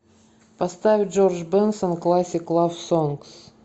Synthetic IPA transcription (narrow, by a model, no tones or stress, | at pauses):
pɐst̪avʲɪd͡ʒorʒbɛnsonklˠasʲɪklˠafsonks